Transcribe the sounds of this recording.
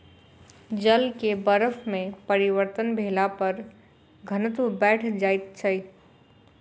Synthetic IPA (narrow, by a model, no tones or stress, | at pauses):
d͡ʒəlkebəɾəfʰmẽpəɾiwəɾt̪ənbʱeːlapəɾ | ɡʱənət̪ubɛːʈʰd͡ʒaːjt̪t͡ʃʰəj